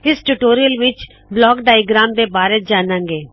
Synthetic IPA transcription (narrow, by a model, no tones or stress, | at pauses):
ɪsʈuːʈoːɾijəlʋɪt͡ʃ | blɔːkɖaːɪɡɾaːmd̪eːbaːɾeːd͡ʒaːnãːŋɡeː